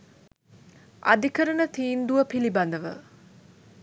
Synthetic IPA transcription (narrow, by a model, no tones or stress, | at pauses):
ʔa̰d̪ikəɾənət̪iːnd̪uʋəpiliband̪əʋə̰